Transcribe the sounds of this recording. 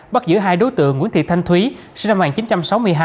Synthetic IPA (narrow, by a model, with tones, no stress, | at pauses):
ɓa˦˥t̚zɨ̰˧˥˩ɦaː˧jɗo˨˦jt̪ɨ̰˧˨əŋ̰ː˧˥ənt̪ʰi˨˩t̪ʰa˧ŋ̟t̪ʰwi˨˦sɨ˧na˧ŋaː˨˩nt͡ɕi˨˦nt͡ɕa˧msa˨˦wmɨ˧əjɦaː˧